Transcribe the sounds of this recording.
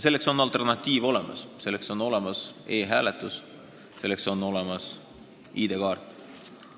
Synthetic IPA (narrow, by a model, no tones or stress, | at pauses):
se̞lːekso̞nɑlt̪ˑe̞rnɑt̪ʲːˑiːvo̞le̞mʔɑ̰sse̞lːe̞kso̞no̞le̞mɑse̞ːɦæːlet̪ːˑus | se̞lːekso̞no̞le̞mɑs | iːd̪̥ekɑːrt̪ːˑ